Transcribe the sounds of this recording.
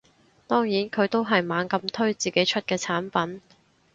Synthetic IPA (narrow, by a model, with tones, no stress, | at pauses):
t̪ɔː˥ŋjiː˨˥nkʰɵ˨˧ɥt̪o˥wɦɐ˨jmaː˨˧nkɐ˧mt̪ʰɵ˥ɥt͡siː˨ke˨˥jt͡ʃʰɵ˥t̚kɛː˧t͡sʰaː˨˥npɐ˨˥n